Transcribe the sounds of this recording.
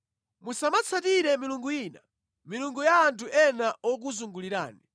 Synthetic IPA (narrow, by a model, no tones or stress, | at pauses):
musamat͡sʰatiɾɛmiluŋɡujiːna̰ | miluŋɡujaːntʰuʔɛnaʔɔk̬uzuŋɡuliɾa̰ːni